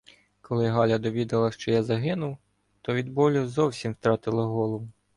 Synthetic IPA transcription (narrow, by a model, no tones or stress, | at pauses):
kɔlˠɪɦɑlʲɐd̪ɔʋʲid̪ɐlˠɐʃt͡ʃɔjazɐɦɪnʊw | t̪ɔʋʲid̪bɔlʲuzɔwsʲimwt̪ɾɑt̪ɪlˠɐɦɔlˠɔʋʊ